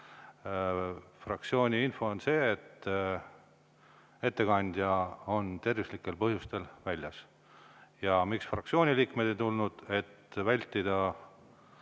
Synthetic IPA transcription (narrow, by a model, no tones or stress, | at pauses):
frɑk̚t̪sio̞ːnʲiinfo̞onse̞ːt̪ | e̞t̪ːe̞kɑnʲd̪̥jɑo̞nt̪e̞rvislikːˑe̞lpɤɦjust̪e̞lvælʲjɑs | jɑmiksfrɑkt̪sio̞ːnʲiliːkme̞d̪̥ejt̪ulnud̪̥e̞t̪ːvælʲt̪ːˑid̪̥ɑ